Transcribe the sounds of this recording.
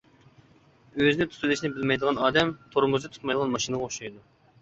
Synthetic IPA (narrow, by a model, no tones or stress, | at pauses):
øzɪnɪt̪ʰu̥t̪ʰulɪʃnɪbɪlmɛjd̪əʁɑnɑːd̪ɛmt̪ʰoɾmuzd̪ɨt̪ʰt̪̚mɑjd̪əʁɑnmɑʃinɨʁɑoʃɑjd̪u